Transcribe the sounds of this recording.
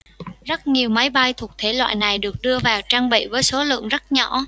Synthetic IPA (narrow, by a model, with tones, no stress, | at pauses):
zə˦˥t̚ŋi˨˩əwma˨˦jɓa˧jt̪ʰu˨˩ək̚t̪ʰe˨˦lwa̰ː˧˨jna˨˩jɗɨ˨˩ək̚ɗɨ˧əvaː˨˩wt͡ɕaː˧ŋɓḭ˧˨vəː˨˦jso˨˦lɨ̰˧˨əŋzə˦˥t̚ɲɔ̰˧˩˨